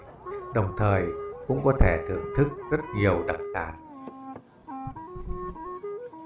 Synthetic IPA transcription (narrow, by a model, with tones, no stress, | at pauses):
ɗə˨˩wŋ͡mt̪ʰəː˨˩jkʊ̰˧˥ŋ͡mkɔ˨˦t̪ʰe˧˩t̪ʰɨ̰˧˨əŋt̪ʰɨ˦˥k̚z̥ə˦˥t̚ɲi˨˩əwɗə˨˩k̚sa̰ː˧˩˦n